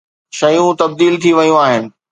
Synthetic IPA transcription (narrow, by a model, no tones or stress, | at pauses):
ʃɐjũt̪ɐb̚d̪iːlt̪ʰiʋɐjũaːɦɪnɪ̆